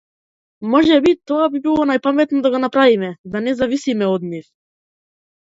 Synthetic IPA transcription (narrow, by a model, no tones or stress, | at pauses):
mɔʒɛbit̪ɔabibilˠɔnajpamɛt̪nɔd̪aɡɔnapɾavimɛd̪anɛzavisimɛɔd̪nif